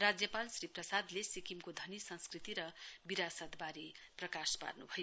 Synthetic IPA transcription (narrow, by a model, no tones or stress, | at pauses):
rad͡zjʌpalsriprʌsad̪lesikimkod̪ʱʌnisʌnskrit̪iɾʌbiɾasʌt̪baɾiprʌkaspa̰rnṵbʱʌj